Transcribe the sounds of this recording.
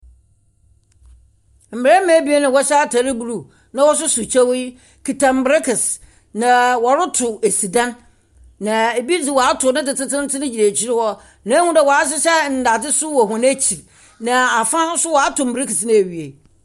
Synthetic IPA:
m̩˨mɪ˨ɾɛ˦mã˨˦bi˦e˦nɪ̃˨wɔ˦ɕɛ˦a˦tʰa˨ɾɪ˦bu˨ɾu˨ | nã˦wɔ˦s̬ʊ˦sʊ˨t͡ɕʰɛ˦w | kʰi˨tʰã˨m̩˨bɾɪ˦kʰɪ˨s | nã˨wɔ˨ɾʊ˦tʰʊ˨e˨si˨dã˦nː | ã˨e˨bi˦d͡zɪ˨wɔ˨a˦tʰʊ˨˦nɪ̃˦tɪ˨tʰɪ˦tɪ̃˦n˦tɪ˦nɪ̃˦d͡ʑi˨ɾæ˨t͡ɕʰi˦ɾɪ˦hɔ˦ | nã˨˦hũ˦dɛ˨wɔ˨a˦ɕ̬ɪ˦ɕɛ˦n̩˨da˨d͡zɪ˦sʊ˦wɔ˨ɦʊ̃˨n˦æ˦t͡ɕʰi˨ɾ | nã˨a˨fã˦n˦sʊ˦wɔ˨a˦tʰʊ˨m̩˨bɾɪ˦kɪ˨snɪ̃˦e˨ɥi˨e˨

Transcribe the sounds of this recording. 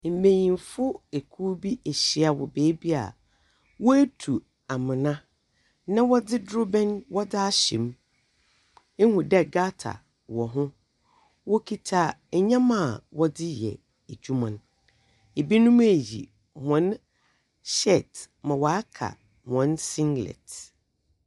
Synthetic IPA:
m̩˨mẽ˨ɲĩ˨mfʊ˦e˨kʰu˦bi˦ɛ˨ɕɪ˦a˨wɔ̰˨beː˦bi˦a̰˨ | wɔ˦æ˦tʰu˨ | a˨mɪ̃˨nã˦ | nã˦wɔ˦dɪ˦dɾo˦bɛ̃˦nwɔ˦dɪ˦a˦ɕḭ̃˨m˦ | hʊ̃˨dɛ˦ɡa˦tʰa̰˨ | wɔ˨ɦʊ̃˦ | wɔ˦kʰi˦tʰa˦ɛ˨ɲã˦mã˦˨wɔ˦dɪ˦jɛ̰˨ | e˨d͡ʑᶣu˦mã˨n | e˨bi˦nʊ̃˦m˦e˨jḭ˨ | hɔ̃˨˦n | ɕɛ˦˨t | mã˨wa˨a˦kʰa̰˨ | hɔ̃˨˦nsĩ˦ŋɡlɛ̰˨t

